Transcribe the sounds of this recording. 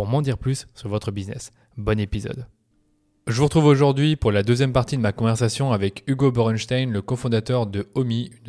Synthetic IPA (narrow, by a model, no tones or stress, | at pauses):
puʁmɑ̃d̪iʁplysːyʁvɔt̪χəbiznɛ̰s | bɔnepizɔ̰d̪ | ʒəvuʁət̪χuvoʒuʁd̪ɥipuʁlad̪øzjɛmpaʁt̪id̪əmakɔ̃vɛʁsasjɔ̃avɛkyɡobɔʁɛnʃt̪ajnləkɔ̃fɔ̃d̪at̪œʁd̪əɔmiyn